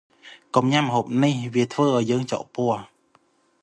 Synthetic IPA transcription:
kumɲamːəɦoːp̚nihʋiət̪ʰʋəːʔaɔjːəːŋt͡ɕɑ̰ʔpʊəh

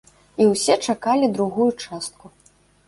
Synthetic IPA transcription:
iwsʲɛt͡ʂakalʲid̪ɾuɣujut͡ʂast̪̚ku

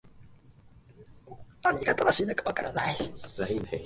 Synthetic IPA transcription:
amʲiɡat̪anaɕiːnokḁβakaɾanaiain

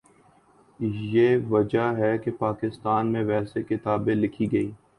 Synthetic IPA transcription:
jeːʋɐd͡ʒaɦɛkepaːkɪst̪aːnmẽʋɛːsekɪt̪aːbẽlɪkʰiɡɐiː

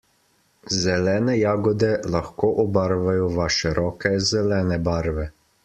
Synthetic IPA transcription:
zɛlɛːnɛjaːɡɔd̪ɛlaxkoːʔɔbaɾʋajɔʋaːʃɛɾɔːkɛzɛlɛːnɛbaːɾʋɛ

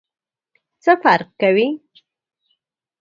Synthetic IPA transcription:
t͡səfaɾq̚kawi

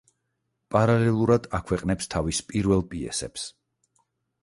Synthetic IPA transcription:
pʼaɾalɛlˠuɾad̪akʰwɛqʼnɛpst̪ʰavispʼiɾvɛlˠpʼiɛ̰sɛ̰ps

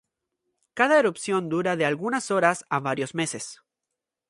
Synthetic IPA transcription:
kaðaeɾupsjo̞nd̪uɾaðe̞alɣunaso̞ɾasaβaɾjo̞zme̞se̞s

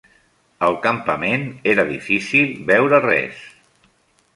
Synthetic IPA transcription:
əlˠkəmpəmeneɾəðḭfisilˠbɛwɾərɛ̰s

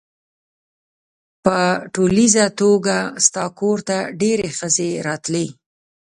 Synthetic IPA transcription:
pəʈolizat̪oɡast̪ɑkoɾt̪aɖeɾexəzeɾɑt̪le

